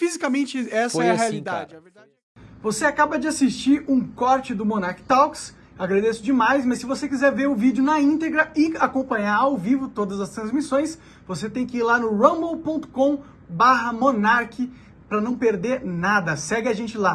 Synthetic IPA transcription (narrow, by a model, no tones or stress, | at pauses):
fizikamẽnt͡ʃɪɛsɐɛɐhealid̪a̰d͡ʒɛ | voseakabɐd͡ʒɪasist͡ʃiɾũkɔɾt͡ʃɪd̪ʊmõnaɾkɪ̥t̪awks | aɡɾad̪esʊd͡ʒɪmajsmɐsːɪvosekizɛɾveɾʊvid͡ʒɪʊnɐĩnt̪eɡɾɐɪakõpɐ̃ɲaɾawvivʊt̪od̪ɐzɐst̪ɾɐ̃zmisõj̃s | voset̪ẽj̃kɪiɾlanʊɾɐ̃bowpõt̪ʊ̥kõ | baɦɐmõnaɾkɪ | pɾɐnɐ̃w̃peɾd̪eɾnad̪ɐsɛɡɪaʒẽnt͡ʃɪla